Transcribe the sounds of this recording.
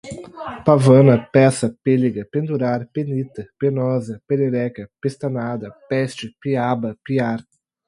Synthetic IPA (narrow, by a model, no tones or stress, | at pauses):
pavɐ̃nɐpɛsɐpeliɡɐpẽnd̪uɾaɾpenit̪ɐpenɔzɐpeleɾɛkɐpest̪ɐnad̪ɐpɛst͡ʃɪpiabɐpiaɾ